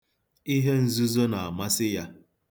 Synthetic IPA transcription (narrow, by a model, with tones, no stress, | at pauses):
i˦ɦe˦n̩˨zu˦zo˦na˨a˨ma˦sɪ˦ja˦